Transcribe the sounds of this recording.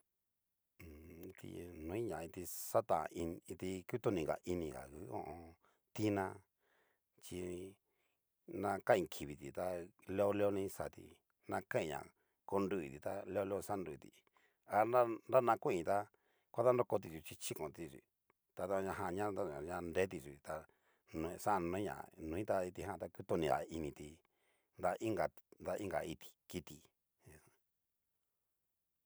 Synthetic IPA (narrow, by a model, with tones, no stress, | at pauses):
t̪ḭ˧nũ˧˦ĩ˦ɲã˨˧i˧t̪i˧sa˦t̪ã̰˨˧i˧n˧t̪i˧ku˦t̪u˦nĩ˨ɡa̰˨ʔi˧nĩ˧ɡa̰˨ku˧˦õ̰˦˨ʔõ˧ | t̪i˦nã˧ | t͡ʃi˧ | nã˧ka˦ĩ˨ŋkʰi˨βi˨t̪i˨t̪a˦le˦o˧le˧˦o˦˧nĩ˧˦sa̰˨t̪ḭ˧ | nã˧kẽ˦ẽ˧ɲã̰˧˨ | ko˧ndu˦˧˨ḭ˧˨t̪i˨t̪a˦le˦o˧le˧˦o˦˧sa˦ndu˧i˧˨t̪ḭ˨ | a˧na˦nɾa˦nã˧kʷũ˦ĩ˧t̪a˦ | kʷa˦ða˦ndo˦˧ko˧t̪̬i˧t̪i˨˧t͡ʃi˧t͡ʃi˦kõ˨t̪i˧ʐḭ˨ | t̪a˧t̪a˧ɲã˧ɦã˧ɲã˦t̪a˦˨ã˨ɲã˧nde˦t̪̬i˧ʐḭ˨t̪a˧ | nũ˧sa˦ʔnũ˧ĩ˦ɲã̰˨nũ˧ĩ˦t̪a˧i˧t̪i˧hã˦˧t̪a˧ku˦t̪o˧nĩ˧ða̰˨i˧nĩ˧t̪i˧ | nd̪a˧˦ʔi˦ŋɡa˨nd̪a˦i˦ŋɡa̰˧i˧t̪i̥˨ki˦t̪i˧